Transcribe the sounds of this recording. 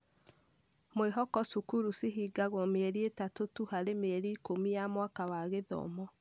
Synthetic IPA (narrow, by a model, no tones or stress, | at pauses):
mweɦɔkɔsukuɾusiɦiːɡaɣɔmeɾietatotuhaɾemeːɾiːkomijamwakawaɣeðɔ̰mɔ